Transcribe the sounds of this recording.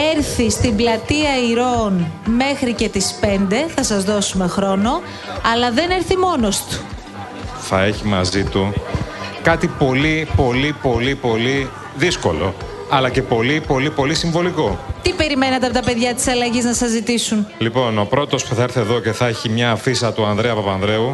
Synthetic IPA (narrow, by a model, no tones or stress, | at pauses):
e̞ɾθist̪iblɐt̪iɐiɾo̞nme̞xɾice̞t̪ispe̞nd̪e̞θɐsɐzðo̞sume̞xɾo̞no̞ | ɐlɐðe̞ne̞ɾθimo̞nost̪u̥ | θɐe̞çimɐ̰zit̪u | kɐt̪ipo̞lipo̞lipo̞lipo̞li | ðisko̞̰lo̞̰ | ɐlɐce̞po̞lipo̞lipo̞lisiɱvo̞liko̞t̪ipe̞ɾimenɐt̪epot̪ɐpeðʝɐt̪i̥sɐlɐʝiznɐsɐzit̪isunlipo̞no̞pɾo̞t̪o̞spuθɐiɾθeːðo̞ce̞θɐeçimɲɐːfisɐt̪uɐnðɾeɐpɐpɐnðɾe̞u